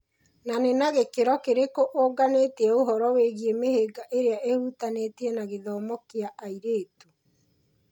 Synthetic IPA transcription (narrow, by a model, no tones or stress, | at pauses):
nanenaɣekeɾɔkeɾekoʔoɡaneːtiɛoɦɔɾɔweɣiemeheːɡaʔeɾeaʔeɾutaneːtiɛnaɣeðɔːmɔkiaʔaiɾeːto